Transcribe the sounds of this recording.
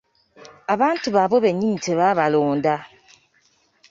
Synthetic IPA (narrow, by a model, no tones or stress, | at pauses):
aban̩tubabobeɲin̩teβaβalonda